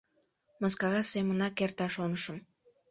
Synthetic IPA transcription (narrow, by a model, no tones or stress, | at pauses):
moskɑɣɑsemənɑkert̪ɑʃonəʃə̆m